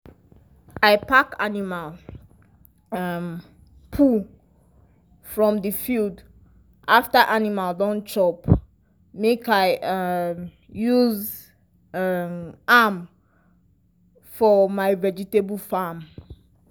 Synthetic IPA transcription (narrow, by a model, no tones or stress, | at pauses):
aɪpʰaka̰nimal | m | pʰu | fɹɔ̃mdifild | ʔaftəʔanimaldɔ̃nt͡ʃɔp | mekaɪm | juz | am | fɔmaɪvɛd͡ʒitebl̩fam